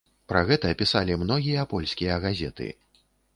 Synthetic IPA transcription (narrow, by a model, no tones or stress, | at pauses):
pɾɐɣɛt̪ɐpʲisalʲimnɔɣʲijɐpɔlʲsʲkʲijɐɣazʲɛt̪ɨ̰